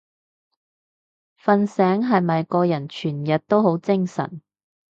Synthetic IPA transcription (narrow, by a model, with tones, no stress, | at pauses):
fɐ˨˧nsɛː˨˥ŋɦɐ˨jmɐ˨jkɔː˧jɐ˨˩nt͡ʃʰyː˨˩njɐ˨t̚t̪o˥who˨˥wt͡sɪ˥ŋsɐ̰˨˩n